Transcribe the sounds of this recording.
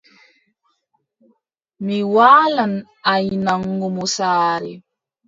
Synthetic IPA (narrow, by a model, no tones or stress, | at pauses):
miwaːlan | ajnaŋɡumusaːɾḭ